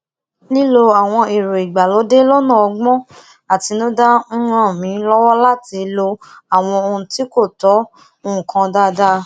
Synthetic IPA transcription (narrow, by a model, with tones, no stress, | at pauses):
li˦lo˧a˨w̃ɔ̃˧e˨ɾo˨i˨ɡ͡ba˨lo˨˦de˦lɔ˦nã˦˨ɔ˧ɡ͡bɔ̃˦ | a˨ti˨˧nũ˦da˦ñ̩˦ã˦˨mĩ˨˦lɔ˦wɔ˦la˦ti˧lo˧a˨w̃ɔ̃˧o˧ũ˧ti˨˦ko˦˨tɔ˨˦ | o˧ũ˨kã˧da˦da˦